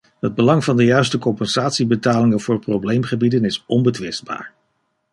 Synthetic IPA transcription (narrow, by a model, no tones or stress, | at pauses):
ɦəd̚bəlɑŋvɑndəjœɥstəkɔmpɛnz̥aːtsibətaːlɪŋənvʊːɹprowblejmχəbidənɪsɔmbətʋɪsd̚ba̰ːɹ